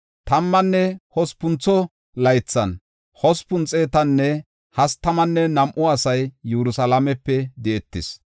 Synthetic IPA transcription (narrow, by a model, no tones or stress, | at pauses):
t̪ɐmːɐnːɛhɔspʊnt͡sːɔ | lɐjt͡sːɐn | hɔspʊnt͡sʼːeːt̪ɐnːɛ | hɐst̪ːɐmɐnːɛnɐmʔʊɐsɐjːɛɾʊsɐlɐmɛpːɛd̪ɪɛt̪ːɪs